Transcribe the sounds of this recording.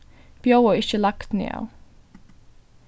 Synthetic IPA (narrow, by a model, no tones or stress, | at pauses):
b̥joʊəːɪçəlɑkt̪nḛːɑ̰ʊ